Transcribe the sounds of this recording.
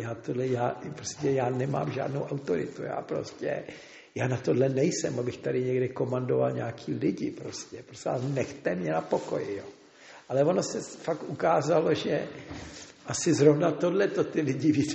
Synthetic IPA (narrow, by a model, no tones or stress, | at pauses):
jaːt̪odlɛjaːpɾoscɛjaːnɛma̰ːmʒa̰ːdnowʔawt̪oɾɪ̰t̪uja̰ːpɾo̞̰scɛ̰ | jaːnat̪o̞dlɛnɛjsɛmabɪxt̪adɪɲɛɡdɛko̞mandova̰lɲaːkʰiːlɪɟɪpɾo̞scɛpɾoscɛanɛxt̪ɛmɲɛnapoko̞jɪjoː | ʔalɛvono̞sɛfakʔukaːzaloʒɛ | ʔasɪzɾovnat̪o̞dlɛt̪o̞t̪ɪlɪɟɪvit͡s